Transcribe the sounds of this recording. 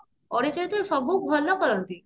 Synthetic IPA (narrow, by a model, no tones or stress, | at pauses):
ɔɽet͡ʃɔt̪emsɔbuːk̚bʱɔlːɔkɔɾɔnt̪i